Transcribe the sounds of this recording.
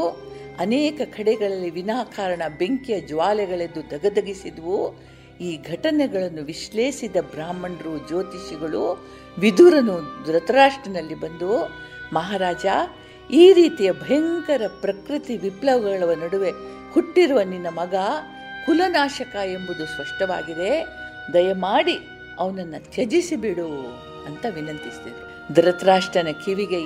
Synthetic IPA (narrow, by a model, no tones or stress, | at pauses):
ɐneːkɐkʰɐɽɛɡɐɭɐlːiʋinaːkʰaːɾɐɳɐbe̞ŋkijɐd͡ʒʋaːlɛɡɐɭed̪ːud̪ʱɐɡɐd̪ɐɡisid̪ɐʋu | iːɡʱɐʈɐnɛɡɐɭɐnːuʋiʃle̞ːʃid̪ɐbɾaːmɐɳɾud͡ʒoːt̪iʃiɡɐɭu | ʋid̪uɾɐnud̪uɾɐt̪ɐɾaːʂʈɾɐnɐlːibɐnd̪umɐɦaːɾaːd͡ʒa | iːɾiːt̪ijɐbʱɐjɐŋkɐɾɐpɾɐkɾit̪iʋiplɐʋɡɐɡɐɭɐʋɐnɐɽuʋe̞ | huʈːiɾuʋɐninːɐmɐɡɐ | kulɐnaːʃɐkɐe̞mbud̪uspɐʂʈɐʋa̰ːɡid̪e̞ | d̪ɐjɐmaːɽi | ɐʋɐnɐnːɐt͡ʃɐd͡ʒisibiɽu | ɐnt̪ɐʋinɐnt̪ist̪id̪e | d̪ɾɐt̪ɐɾaːʂʈɐnɐkʰiʋiɡe